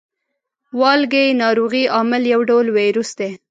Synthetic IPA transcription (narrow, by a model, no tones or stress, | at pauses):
wɑlɡejnɑɾoɣiɑmɪljawɖawlweɾusd̪e